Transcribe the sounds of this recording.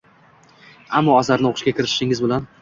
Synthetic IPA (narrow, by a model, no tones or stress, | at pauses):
amːɒaszaɾnɪoqʰʊʃkʲakʲʰɪɾɪʃɪ̥ʃɪŋɪzbɪlan